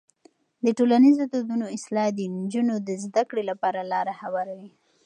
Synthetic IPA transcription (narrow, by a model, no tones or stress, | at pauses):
d̪əʈolanizod̪od̪unoɪslɑd̪ənd͡ʒunod̪əzd̪akɽelapɑɾalɑɾahawaɾawi